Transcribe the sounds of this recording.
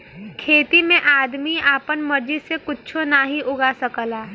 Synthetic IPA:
kʰeːt̪imẽʔaːd̪miaːpənmɐɾd͡ʒisekʊtːt͡ʃʰonaɦiʔʊɡasəkəlaː

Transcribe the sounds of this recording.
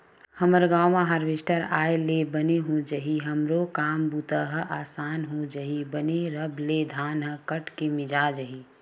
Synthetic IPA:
həməɾɡaːmãɦəɾʋɪʃʈəɾaːjlebəneɦõd͡ʒəɦiɦəmɾokaːmbut̪əɦʔaːsaːnɦõd͡ʒəɦibəneɾəbled̪ʱaːnɦə̃kəʈʰkemɪd͡ʒad͡ʒəɦiː

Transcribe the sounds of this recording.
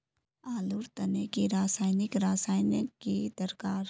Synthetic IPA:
aːlʊɾt̪ɐnekiɾaːsaːɪnɪkɾaːsaːɪnekid̪əɾkaːɾ

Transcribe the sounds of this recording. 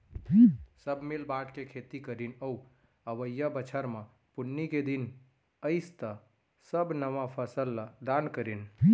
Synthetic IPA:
səbʱmelbaʈkekʰet̪ikəɾinəu | əʋəjːəbət͡ʃʰəɾmã | punːiked̪in | əɪst̪ə | səbnəʋapʰəsəlːad̪ankəɾin

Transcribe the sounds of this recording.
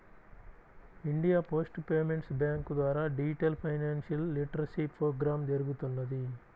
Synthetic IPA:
iɳɖijaːpo̞ːsʈpeːmeɳʈsbjaːŋkd̪ʋaːɾaːɖid͡ʒiʈɐlpʰɐjnaːnʃɐlːiʈɾɐsipɾoːɡɾaːmd͡ʒɐɾuɡut̪unːɐd̪i

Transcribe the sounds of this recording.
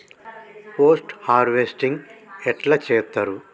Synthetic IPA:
poːsʈhaːɾʋesʈiŋɡɛʈlat͡ʃɛːt̪ːaɾu

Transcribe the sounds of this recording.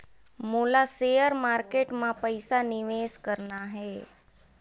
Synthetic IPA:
molasejəɾmaɾkeʈmãpəjsanɪʋeskəɾnaɦe

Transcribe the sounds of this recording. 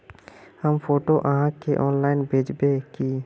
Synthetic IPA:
həmpʰoːʈoʔəɦãkeʔɔːnlaːɪnbʱeːd͡ʒbeki

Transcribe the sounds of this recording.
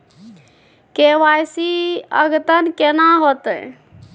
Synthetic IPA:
keʋajsiə̰ɡt̪ənkenaɦot̪ə

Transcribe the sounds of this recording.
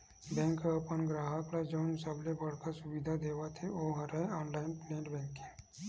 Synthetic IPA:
bɛ̃ːŋkəpənɡɾaːɦəklad͡ʒəwnsəblebɐɽ̤kasʊʋid̪ʱad̪eːʋat̪ʰeoɦɐɾaãːnlaːɪnplẽːɳʈbɛ̃ːŋkɪŋ

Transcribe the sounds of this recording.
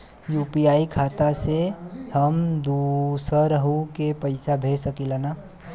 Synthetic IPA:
jupiaːikʰaːt̪asehəmd̪usəɾəɦũkepəɪsabʱeːsəkilana

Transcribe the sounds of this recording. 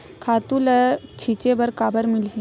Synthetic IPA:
kʰat̪ulət͡ɕʰit͡ɕebəɾkabəɾmilɦi

